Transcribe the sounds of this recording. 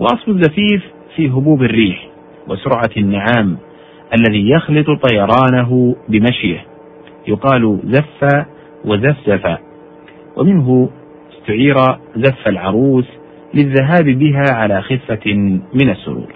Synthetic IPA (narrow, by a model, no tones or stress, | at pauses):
wɑ̰ʔɑsˤfʊzːafiːfː | iːɦʊbuːbɪrːiːħ | wa̰sʊɾˤʕanːaʕaːm | ʔalːaðiːjɑxlɨt̪ˤt̪ˤɑjɑɾˤɑːnaɦʊbɪmaʃjah | jʊqɑːlzafːaː | wazafzafa̰ː | wʔa̰mɪnɦʊ | ɪst̪ʊʕiːɾazafːalʕɑɾˤuːs | lɪðːaɦaːbbɪɦaːʕalaːxɪfːamɪnasːʊ̰ɾṵːɾ